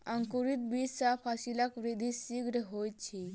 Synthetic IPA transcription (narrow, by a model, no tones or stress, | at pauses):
əŋkuɾit̪̚bid͡ʒsapʰasilakʋɾid̪ʱisiɡɾəɦojt͡ʃʰi